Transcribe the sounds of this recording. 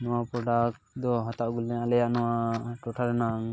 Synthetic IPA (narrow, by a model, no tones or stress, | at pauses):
nɔwapɾɔɖak̚ | d̪ɔɦat̪aʔɡulɛalɛjaʔnɔwaʈɔʈʰaɾɛnaŋ